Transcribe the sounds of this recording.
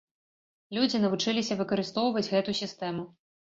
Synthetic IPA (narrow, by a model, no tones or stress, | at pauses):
lʲud͡zʲinɐvut͡ʂɨlʲisʲɐvɨkɐɾɨst̪ɔwvɐd͡zʲɣɛt̪usʲist̪ɛmu